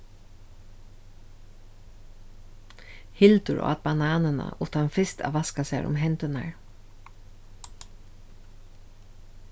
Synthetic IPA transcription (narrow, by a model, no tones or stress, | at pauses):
hɪlt̪ʊɹʔo̰ːat̪̚banɑːnəna̰ʔʊt̪ʰanfɪst̪a̰ːʋaskasa̰ɾʔʊ̰mɦɛnt̪ʏna̰ɹ